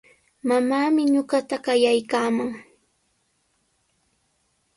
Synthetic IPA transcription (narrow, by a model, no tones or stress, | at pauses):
mamaːmɪɲoɢɑt̪aɢɑjajkaːmaŋ